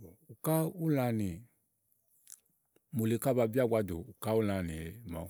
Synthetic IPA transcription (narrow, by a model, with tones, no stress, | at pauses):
u˨ka˦u˦la˧˨ni˨ | mo˨le˨ka˦˨ba˧bi˦a˦˨ɡʷa˦do̰˨u˨ka˦u˦la˨ni˨˦ma̰˨